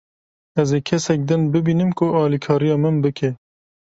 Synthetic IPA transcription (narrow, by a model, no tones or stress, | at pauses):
ɛzeːkʰɛsɛk̚d̪ɨnbɨbiːnɨmkʊʔɑːlikʰɑːɾijɑːmɨnbɨkʰɛ